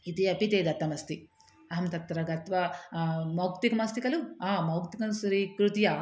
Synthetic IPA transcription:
it̪iɐpit̪eːd̪ɐt̪ːɐmɐst̪i | ɐɦɐmt̪ɐt̪ːɾɐɡɐt̪ʋɐ | mɐwkt̪ikɐmɐst̪ikɐluaːmɐwk̚t̪ikɐmsuɾikɾut̪ija

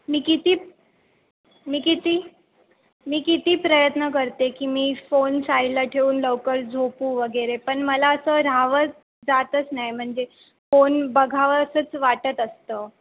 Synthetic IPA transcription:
miːkit̪iː | miːkit̪iː | miːkit̪iːpɾəjət̪nəkəɾt̪ekiːmiːfonsajlaʈʰeuːnləʋkəɾd͡zʱopũːʋəɡəɾepəɳməlaəsəɾaʋə | d͡zat̪ət͡snajm̤əɳd͡ze | fonbəɡʱaʋəsət͡sʋaʈət̪əst̪əː

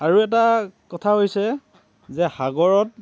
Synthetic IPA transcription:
aɹuɛt̬akɔtʰaɦojsɛ | zɛxaɡɔɹɔt̚

